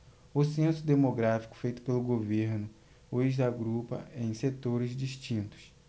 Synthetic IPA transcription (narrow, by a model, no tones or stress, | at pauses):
ʊsẽsʊd̪emoɡɾafi̥kʊ̥fejt̪ʊ̥pelʊɡoveɾnʊ | oeʒd̪ɐɡɾupɐ̰ẽj̃set̪oɾɪzd͡ʒiʃt͡ʃĩnt̪ʊ̥s